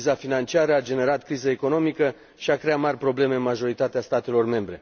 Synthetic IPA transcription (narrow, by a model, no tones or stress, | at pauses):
zafinant͡ʃiaɾəad͡ʒe̞ne̞ɾat̪kɾizəeko̞no̞mikə | ʃiakɾe̞at̪marʲpɾo̞ble̞me̞ɨnmaʒo̞ɾit̪at̪east̪at̪e̞lo̞rme̞mbɾe̞